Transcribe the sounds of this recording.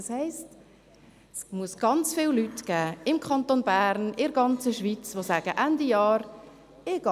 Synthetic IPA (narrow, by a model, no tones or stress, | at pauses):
shɛɪst | smuəsɡ̥ɑnt͡sfɪːllytɡ̥æːɪmkʰɑntonbæːɾnɪɾɡɑnt͡səʃʋit͡sʋosæːɡ̥əʔændijɑːɾ | ɪɡ̥ɑ